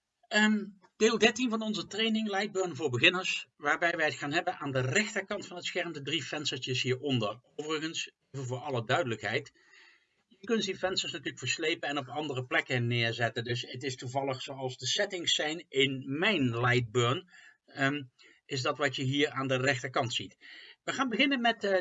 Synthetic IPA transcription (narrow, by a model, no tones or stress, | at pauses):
ə | d̥eːlˠdɛɹtinvɑnɔnzətrejnɪŋlɛjd̚bøːɹnvʊːɹbəɣɪnəɹsʋaːɹbɛjʋɛjətxaːnɦɛbənʔaːndərɛxtəɹkɑntfɑnɦətsxɛɹmtədrifɛnstəɹtəsɦiːɹɔndərowvərəɣənsejvənvʊːɹɑlədœɥdələkɦɛjt | jəkɵntdifɛnstəɹsnatyːləkfəɹslejpənɛnɔpɑndərəplɛkənɪːɹzɛtəndɵsətɪstuvɑlˠəχsowɑlˠzdəsɛtɪŋsːɛjnʔɪnmɛjnlɛjd̚bøːɹn | ɪsdɑtʋɑtjəɦiːɹaːndərɛxtəkɑntsitʋəχaːnbəɣɪnənmɛt